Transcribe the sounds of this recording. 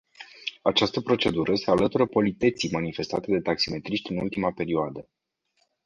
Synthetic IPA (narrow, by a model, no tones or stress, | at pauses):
at͡ʃast̪əpɾo̞t͡ʃe̞d̪uɾəse̞alət̪uɾəpolit̪et̪simanife̞st̪at̪e̞d̪e̞t̪aksime̞t̪ɾiʃt̪ʲɨnṵlt̪imape̞ɾioad̪ə